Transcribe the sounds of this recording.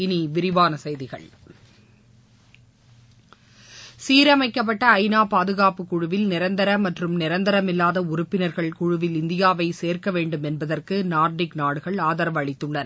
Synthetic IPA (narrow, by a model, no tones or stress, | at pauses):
ɪniʋɪɾɪʋaːnɐsɐjðɪɣɐ̰ɭ | siːɾɐmɐɪkːɐp̬ːɐʈːɐːɪnaːpaːðɯɣaːpɯkːʊɻʊʋɪlnɪɾɐnd̪ɐɾɐmɐʈrɯmnɪɾɐnd̪ɐɾɐmɪlːaːðɐʊɾʊpːɪnɐɾɣɐɭkʊɻʊʋɪlɪnd̪ɪjaːʋɐɪseːrkɐʋeːɳɖɯmɛnbɐðɐrkɯnaːɾɖɪknaːɽɯɣɐɭaːðɐɾɐʋɐɭɪt̪ːɯɭːɐn